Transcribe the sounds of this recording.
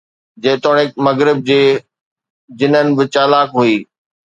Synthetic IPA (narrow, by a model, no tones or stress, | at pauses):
d͡ʑɐːt̪oːɽ̃eːmɐɣɾɪb̚d͡ʑeː | d͡ʑɪn̤ənɪ̆bɪt͡ɕaːlaːkɦuiː